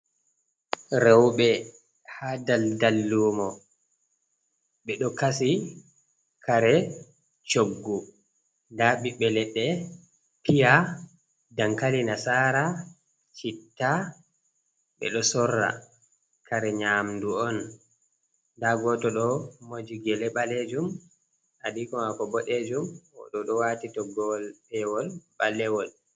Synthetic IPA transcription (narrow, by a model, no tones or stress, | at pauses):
ɾɛwɓɛ | hadaldalːuːmɔ | ɓɛɗɔkasi | kʰaɾɛ | t͡ʃoɡːu | ndaɓiɓɛlɛɗːɛ | pija | daŋkalinasaːɾa | t͡ʃitːa | ɓɛ̰ɗɔsɔrːa̰ | kʰaɾɛɲaːmduɔn | daɡɔtɔɗɔmod͡ʒiɡɛlɛɓaled͡ʒum | ʔadikɔmakɔbɔɗed͡ʒumɔ̰ɗɔɗɔwatitɔɡɔlɓɛwɔlɓalːɛwɔl